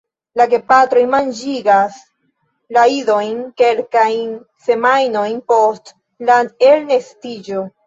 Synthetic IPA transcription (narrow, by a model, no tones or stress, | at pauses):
laɡe̞patɾo̞jmand͡ʒiɡas | laido̞jnke̞lkajn | se̞majno̞jnpo̞st | laelnestid͡ʒo̞